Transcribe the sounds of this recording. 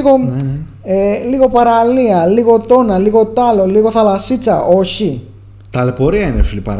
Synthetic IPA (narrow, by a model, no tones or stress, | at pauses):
ɣo | eliɣo̞pɐɾaliɐliɣo̞t̪o̞nɐliɣo̞t̪ɐlo̞liɣo̞θɐlɐsit͡sɐʔoçi | t̪ɐlepoɾiɐinefilipɐ̰ɾ